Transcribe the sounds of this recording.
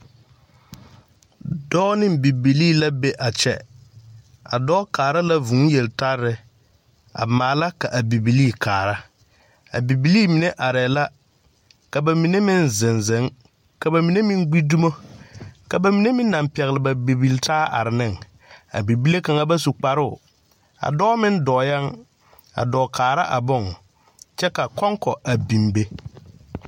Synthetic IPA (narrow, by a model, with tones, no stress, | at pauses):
dɔ˦nɪ˦mbi˨bi˨liː˦la˦be˦ʔa˨t͡ʃɛ̰˦ | a̰˨dɔː˦kaː˨ɾa˦la˦vu˨˦jɛ˨lta˦ɾːɪ˨ | a̰˨maː˨˦la˦ka˨ʔa˨bi˨bi˨liː˦˨kʰaː˨ɾa˦ | a̰˨bi˨bi˨liː˦mi˨ne˦ʔa˨ɾɛ˨la˦ | ka˨ba˨mi˨ne˦mɪ˦nzɪ˨nzɪ˨˦ŋ | ka˨ba˨mi˨ne˦mɪ˦ŋɡ͡bi˦du˦mo˦ | ka˨ba˨mi˨ne˦mɪ̃˦nː˦a˨mpɛ˨ɣɪ˨lɪ˨ba˨be˨bi˨ltʰaː˦a̰˨ɾɪ˨nɪ˦˨ŋ | a̰˨bi˨bi˦le˦ka˨ŋa˦ba˦su˨k͡pa˨ɾʊ˦ʊ˨ | a̰˨dɔː˦mɪ˦ndɔː˨ja˦ŋ | a̰˨dɔː˨kʰaː˨ɾa˦ʔa˨bʊ˦ŋ | t͡ʃɛ˦ka˨kɔ˦ŋkɔ˨ʔa˨bi˨mbe˦